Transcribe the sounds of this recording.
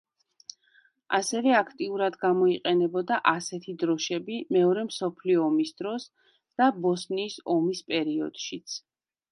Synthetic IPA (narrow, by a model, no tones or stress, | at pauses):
asɛvɛakʰt̪ʼiuɾad̪ɡamɔiqʼɛnɛbɔd̪aʔasɛt̪ʰid̪ɾɔʃɛbimɛɔɾɛmsɔpʰliɔːmisd̪̥ɾɔs | d̪̥abɔsniːsɔmispʼɛɾiɔ̰d̪̥ʃit̪sʰ